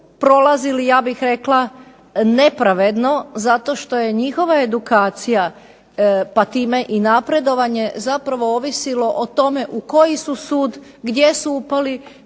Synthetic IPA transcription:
pɾo̞lˠazilijaːbixɾe̞klˠa | ne̞pɾaʋe̞d̪no̞zat̪o̞ʃt̪o̞je̞ɲixo̞ʋaed̪ukaːt̪sija | pat̪iːme̞ʔinapɾe̞d̪o̞ʋaɲe̞zapɾaʋo̞oʋisilo̞ʔot̪o̞me̞ʔuko̞jisusuːd̪ | ɡd̪je̞suupali

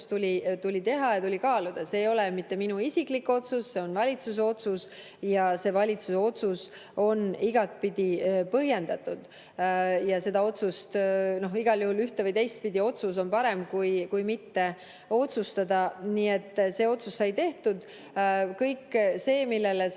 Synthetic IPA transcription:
st̪ulʲit̪ulʲit̪e̞ɦɑjɑt̪ulʲikɑːlud̪̥ɑse̞ːjo̞lemit̪ːe̞minuisiklikːo̞t̪susːe̞o̞nvɑlʲit̪sus̬eo̞t̪sus | jɑse̞vɑlʲit̪suseo̞t̪sus | o̞niɡ̥ɑt̪̚pid̪̥ipɤɦje̞nd̪̥ɑt̪ːˑud̪̥ | jɑse̞d̪ɑo̞t̪sust̪no̞ɦiɡ̥ɑljuhulyht̪evəjt̪e̞jst̪̚pid̪io̞t̪sus̬o̞npɑɾe̞mkujkujmit̪ːe̞ | o̞t̪sust̪ɑd̪ɑniːe̞t̪ˑːse̞ːo̞t̪susːɑjt̪e̞ht̪ud̪̥ | kɤjkːse̞ːmilːe̞le

